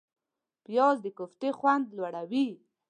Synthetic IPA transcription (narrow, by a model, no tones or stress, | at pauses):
pjɑzd̪əkʊft̪exwand̪lwaɽawi